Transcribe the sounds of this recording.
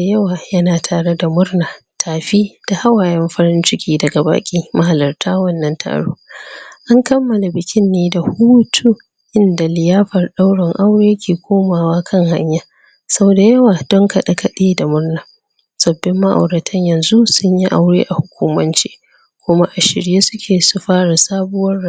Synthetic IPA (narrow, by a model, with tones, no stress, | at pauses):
da˨jɐ˦waː˨jɐ˦naː˨tʰaː˨ɽe˦da˨mʊ˦rnaː˨tʰaː˨ɸiː˦d̥a˨ha˦waː˨jɛ˦mɸɐ˦ɽɪ˦nt͡ʃɪ˦kʲiː˦dɐ˨ɡa˨ba̰ː˨kʲʼiː˦ma˦ɦa˨lɐ˨rtʰaː˦wɐ˦nːɐ˦ntʰa̰ː˨ɽo̰ː˦ʔa˦ŋkɐ˦mːɐ˨la˨bɪ˨kʲɪ˦nːeː˦da˨huː˦tʰu˦ | ʔɪ˦nda˨lɪ˨jaː˦ɸɐ˨rɗa˦wɽɪ˨ŋʔa˦wɽeː˦kʲʰeː˨kʷʰoː˦maː˨waː˦kʰɐ˦˨ŋha˦ɲjaː˦ | sɐ˦boː˨da˨jɐ˦waː˨d̥ɔ˦ŋka˨ɗa˦kɐ˦ɗiː˦da˨mʊ˦rna˨ | sɐ˨bːɪ˦mːa˦ʔa̰˨wɽɐ˨tʰɐ˦ɲjɐ˨nzu˦sʊ˦ɲji˦ʔa̰˦wɽḛː˦ʔa˨hʊ˨kʷuː˦mɐ˦nt͡ʃi̥̰ː˦ | kʷʊ˦ma˦ʔa˨ʃɪ̰˨ɽɪjeː˦sʊ˦kʲʰeː˨su˦ɸaː˦ɽa˨saː˦bʊ˦wɐ˦ra˦